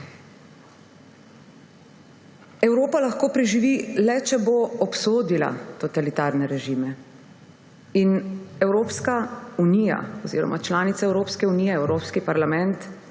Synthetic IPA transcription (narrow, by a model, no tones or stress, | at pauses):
ɛwɾoːpalaxkoːpɾiʒiʋilɛt͡ʃɛboɔpsoːd̪ila̰t̪ɔt̪alit̪aːɾnɛɾɛʒiːmɛ | inɛwɾoːpskaunija̰ɔzḭːɾɔ̰mat͡ʃlaːnit̪saɛwɾoːpskɛuniːjɛɛwɾoːpskipaɾlamɛnt̪